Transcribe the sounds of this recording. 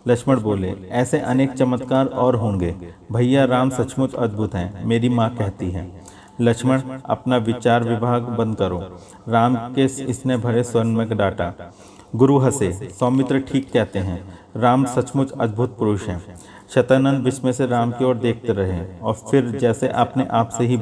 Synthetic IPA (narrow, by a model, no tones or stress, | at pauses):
lɐkʃməɽboːleɛːseʔɐneːk̚t͡ʃɐmət̪kaːɾɔːɾɦõːŋɡeːbʱɐjjaɾaːmsɐt͡ʃmʊt̪ɐ̰d̪̚bʱʊt̪ɦɛ̃ːmeːɾimãkɛɦt̪iɦɛ̰̃ː | lɐkʃməɽɐ̰pnaʋɪt͡ʃaːɾʋɪbʱaːɡbɐ̃nd̪kɐɾoː | ɾaːmkesɪsnebʱɐɾeswɐɾnmə̃kɖaːʈa | ɡʊɾuɦɐsesɔːmɪt̪ɾəʈʰiːkːɛɦt̪eɦɛ̃ɾaːmsɐt͡ʃmʊt̪ɐd̪̚bʱʊt̪̚pɾoːʃɦɛ̃ | ʃɐt̪ənə̃nd̪ʋɪʃmẽseɾaːmkeɔːɾd̪eːk̚ʰt̪eɾɐɦeɔːɾfʰɪɾd͡ʒɛːseʔaːpneʔaːpseɦi